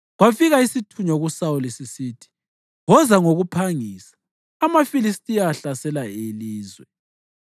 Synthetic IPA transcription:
ɣwafiɣaisitʰuɲɔɣusawulisisiːtʰi̥ | ɣɔzaŋoɣupʰaŋisḁː | mafilistʼijaɬasɛlaeliːzwɛ

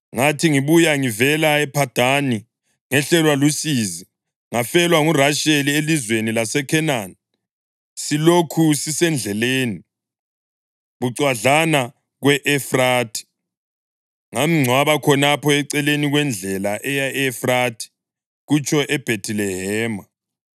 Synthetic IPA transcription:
ŋatʰiŋiβujaŋivɛlaɛpʰad̥ʱani | ŋɛɬɛlwalusiːzi | ŋafɛlwaŋuraʃelielizwenilasɛkʰɛnan | silokʰusisɛnd͡ɮʱɛleːni | ɣuǀwaɮana | ɣwɛʔɛfraːtʰi̥ | ŋamiŋ͡ǀʱwaβakʰɔnapʰɔɛǀɛleniɣwɛnd͡ɮʱɛlaʔɛjaɛfratʰi̥ | ɣut͡ʃʰʼɔʔɛb̥ʱetʰilɛɦɛːma

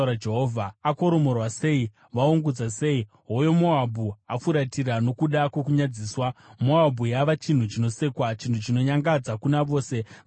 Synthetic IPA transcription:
ɾad͡ʒeɦoːvʱaako̞ɾo̞mo̞rwase̞i | ʋauŋɡud͡zase̞i | ɦojo̞moabʱuafuɾatirano̞kuɗakwekuɲad͡ziːswamoabʱujaʋat͡ʃin̤ut͡ʃino̞se̞ːkwat͡ʃintʰut͡ʃino̞ɲaŋɡad͡zakunaʋo̞ːse̞

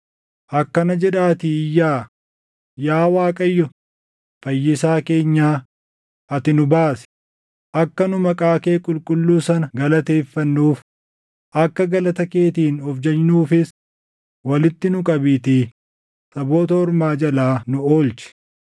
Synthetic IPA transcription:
ʔɐkːɐnɐd͡ʒɛᶑaːt̪ɪɪjːaː | jaːwaːkʼɐjːɔ | fɐjːɪsaːke̞ːɲːaː | ʔɐt̪ɪnʊbaːsɪ̥ | ʔɐkːɐnʊmɐkʼaːkeːkʼʊlkʼʊlːuːsɐnɐɡɐlɐt̪e̞ːfːɐnːuːf | ʔɐkːɐɡɐlɐt̪ɐke̞ːt̪iːnɔfd͡ʒɛɲːuːfɪs | wɐlɪt̪ːɪnʊkʼɐbiːt̪iː | sɐbo̞ːt̪ɐhɔɾmaːd͡ʒɐlaːnʊoːlt͡ʃɛ̥

